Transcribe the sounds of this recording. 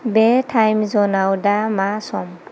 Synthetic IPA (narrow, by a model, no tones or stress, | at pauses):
bɛtʰajmzɔnawdamasɔm